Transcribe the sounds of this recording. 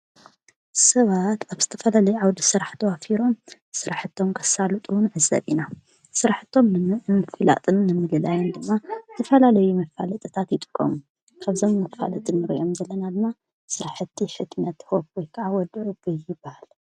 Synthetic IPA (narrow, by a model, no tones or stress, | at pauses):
sɐβat̪aβz̥ɨt̪ʰɐfɐlalɐjuʕawd̪isɨɾaħt̪ʰɐwafiɾo̞m | sɨɾaħɨt̪ʰːo̞mkʰɐsalut̪ʼuwnʕɨzːɐ̰βina | sɨɾaħt̪ʰːo̞mnɨnɨfɨla̰t̪ʼɨnːɨmɨlɨlajɛnd̪ɨmːat̪ʰɐfɐlalɐjumɐfa̰lɐt̪ʼɨt̪ʰat̪jɪt̪ʼɨ̥kʼːɐ̰mu | kʰaβzo̞mːɐfa̰lɐt̪ʼɨnːɨɾḭʔo̞mzɐlːɐnad̪ɨmːa | sɨɾaħɨt̪ʰːiħɨt̪nɐt̪hobwojkʰɐʕawɔd̪ʕubɨjjɪbːahal